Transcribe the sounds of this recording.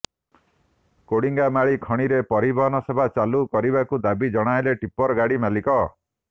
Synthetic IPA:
koɽiŋɡamaɭikʰɔɽ̃iɾepɔɾibɔɦɔnɔsebʱat͡ʃalukɔɾibakud̪abid͡ʒɔɽ̃aeleʈipɔɾɡaɽimalikɔ

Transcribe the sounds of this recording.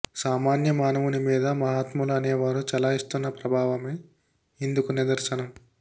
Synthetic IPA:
saːmaːnjɐmaːnɐʋunimiːd̪ɐmɐɦaːt̪muluɐneːʋaːɾut͡ʃɐlaːist̪unːɐpɾɐbʱaːʋɐme | ind̪ukunid̪ɐɾsɐnɐm

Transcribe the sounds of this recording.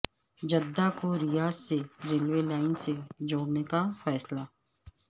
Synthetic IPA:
d͡ʒɐd̪ːakoɾijaːzseɾeːlʋelaːɪnsed͡ʒoːɽnekafɛːsla

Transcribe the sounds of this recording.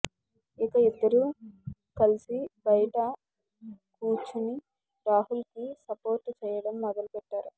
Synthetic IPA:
ikɐid̪ːɐɾu | kɐlisibɐjɐʈɐ | kuːt͡ʃuni | ɾaːɦulkisɐpo̞ːɾʈːt͡ʃɛːjɐɽɐmːɐd̪ɐlupɛʈːaːɾu

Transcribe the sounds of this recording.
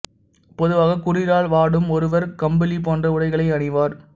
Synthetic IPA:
pɔðɯʋaːɣɐkʊrɪɾaːlʋaːɽɯmɔɾɯʋɐɾkɐmbɐlipoːndrɐɯɽɐɪɣɐɭɐɪɐɳɪʋaːɾ

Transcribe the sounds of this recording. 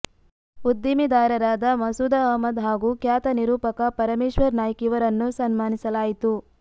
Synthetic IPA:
ud̪jimid̪aːɾɐɾaːd̪ɐmɐsud̪ɐɐmɐd̪ɦaːɡuːkjaːt̪ɐniɾuːpɐkɐpɐɾɐmeːʂʋɐɾnaːjɐkiʋɐɾɐnːusɐnmaːnisɐlaːjit̪u

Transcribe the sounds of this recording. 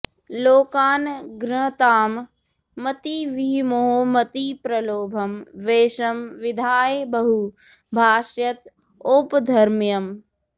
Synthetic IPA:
loːkaːnɡɾɐɦɐt̪aːmː | ɐt̪iʋiɦimoɦomɐt̪ipɾɐloːbʱɐmʋeːʃɐmʋɪd̪ʱaːjebɐɦu | bʱaːʃjɐt̪ | oːpd̪ʱɐɾmjɐm

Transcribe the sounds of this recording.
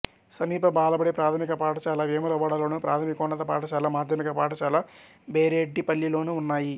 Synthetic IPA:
sɐmiːpɐbaːlɐbɐɽipɾaːt̪ʰɐmikɐpaːʈɐt͡ʃaːlaːʋeːmulɐʋaːɽɐlo̞ːnuːpɾa̰ːt̪ʰɐmikɐoɳːɐt̪ɐpa̰ːʈɐt͡ʃaːlaːmaːd̪ʱjɐmikɐpaːʈɐt͡ʃaːlaː | beːɾeːɖːipɐlːilo̞ːnuːnːaːji

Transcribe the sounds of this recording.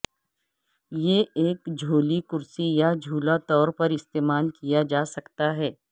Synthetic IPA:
jeːeːkd͡ʒʱoːlikʊɾsijad͡ʒʱuːlat̪ɔːɾpɐɾɪst̪eːmaːlkijad͡ʒaːsɐkt̪aɦɛː

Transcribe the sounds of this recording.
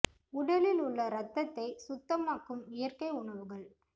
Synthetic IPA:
ʊɽɐlɪlʊɭːɐɾɐt̪ːɐt̪ːɐɪsʊt̪ːɐmaːkɯmɪjɐɾkɐɪʊɳɐʋɯɣɐɭ

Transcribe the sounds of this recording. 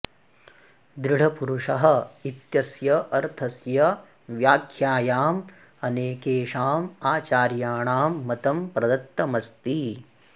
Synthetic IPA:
d̪ɾɪɽ̤ɐpuɾuʂɐɦɐ̆it̪jɐsjɐʔɐɾt̪ʰɐsjɐ | ʋjaːkʰjaːjaːm | ɐneːkeːʂaːmaːt͡ʃaːɾjaːɳaːmːɐt̪ɐmpɾɐd̪ɐt̪ːɐmɐst̪i

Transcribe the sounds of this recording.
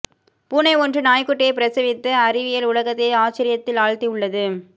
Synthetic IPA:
puːnɐɪɔndrɯnaːjkːɯʈːɪeɪpɪɾɐsɪʋɪt̪ːɯɐɾɪʋɪjɐlʊɭɐɣɐt̪ːeɪaːt͡ʃːɪɾɪjɐt̪ːɪlaːɻt̪iʊɭːɐðɯ

